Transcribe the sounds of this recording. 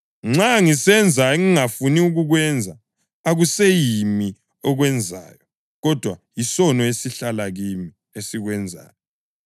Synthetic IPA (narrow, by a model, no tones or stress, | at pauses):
ŋ͡ǁaŋisɛnd͡zʱaeŋiŋafuniuɣuɣwɛnd͡zʱa | aɣusejimi | ɔɣwɛnd͡zʱa̰ːjɔ | ɣɔd̥ʱwajisɔnɔesiɬalaɣimi | esiɣwɛnd͡zʱa̰ːjɔ